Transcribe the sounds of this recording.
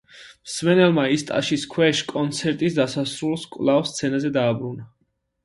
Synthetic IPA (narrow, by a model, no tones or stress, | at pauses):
msmɛnɛlˠmaist̪ʼa̰ʃiskʰwɛʃkʼɔnt̪sʰɛɾt̪ʼisd̪asasɾulˠskʼvlˠavst̪sʰɛnazɛd̪aːbɾuna